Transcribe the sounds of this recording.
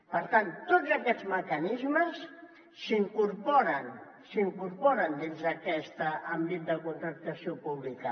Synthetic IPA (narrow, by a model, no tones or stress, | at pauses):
pəɾt̪ant̪ːodzəkɛd̪zməkənizməs | siŋkuɾpoɾən | siŋkuɾpoɾənd̪inzəkɛst̪ambit̪̚d̪əkunt̪ɾək̚t̪asiopuβlikə